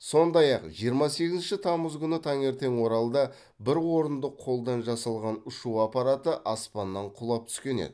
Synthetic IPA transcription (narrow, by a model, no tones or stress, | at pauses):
so̞nd̪ɑjɑqʒijəɾmɑse̞ɡʲɪznʃɪt̪ʰɑməzkʲʏnɪt̪ʰɑŋe̞ɾt̪e̞ŋwo̞ɾɑlˠd̪ɑ | bɪɾwo̞ɾənd̪əqʰːo̞lˠd̪ɑnʒɑsɑlˠʁɑnʊʃuɑpɑɾɑt̪əʔɑspɑnːɑɴqʰʊlˠɑp̚t̪ʰʏ̥skʲe̞nḛd̪ɪ